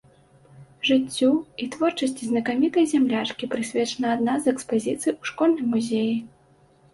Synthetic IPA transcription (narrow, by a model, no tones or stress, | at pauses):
ʐɨt͡sʲːuit̪vɔrt͡ʂɐsʲt͡sʲiznɐkamʲit̪ɐjzʲamlʲat͡ʂkʲipɾɨsʲvʲɛt͡ʂɐnɐad̪nazɛkspazʲit̪sɨjuʂkɔlʲnɐjmuzʲeji